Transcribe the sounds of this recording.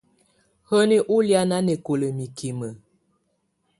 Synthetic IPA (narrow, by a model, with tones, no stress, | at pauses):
hə˦ni˦ʔu˦lja˦na˦ne˨ko˨lə˨mi˨ki˨mə˨